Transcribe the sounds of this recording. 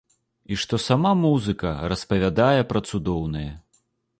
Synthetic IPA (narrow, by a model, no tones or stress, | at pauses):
iʂt̪ɔsamamuzɨkɐ̰ɾɐspɐvʲad̪ajɛpɾɐt̪sud̪ɔwnɨjɛ